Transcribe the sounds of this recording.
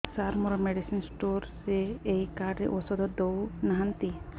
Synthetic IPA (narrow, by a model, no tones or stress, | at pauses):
saɾmɔɾɔmeɖisinsʈoɾseejkaɖɾḛʔosɔd̪ɔd̪ownaɦant̪i